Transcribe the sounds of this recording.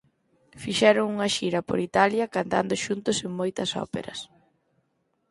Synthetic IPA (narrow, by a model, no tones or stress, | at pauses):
fiʃɛɾʊŋuŋɐʃiɾɐpo̰ɾit̪aljɐkant̪a̰nd̪ʊʃunt̪ʊseŋmojt̪ɐsɔ̰pḛɾɐ̰s